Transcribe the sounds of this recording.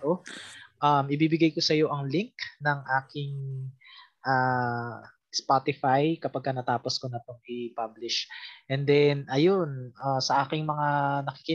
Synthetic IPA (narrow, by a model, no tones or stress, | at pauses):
oʔɐmʔɪbiːbɪɡajko̞sɐjo̞ʔɐŋlɪŋknɐŋʔaːkɪŋ | ʔaː | spat̪ɪfajkɐpɐɡ̚kɐnɐt̪aːpo̞sko̞nɐp̪oŋʔɪpablɪʃʔɛnd̪ɛnʔɐjonʔasɐʔaːkɪŋmɐŋanɐkɪ̥kɪ